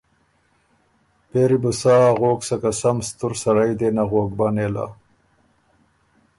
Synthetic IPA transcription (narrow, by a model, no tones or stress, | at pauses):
peɾibusaːɣoːksakasamst̪ʊɾsaɾajd̪enaɣok̚banela̰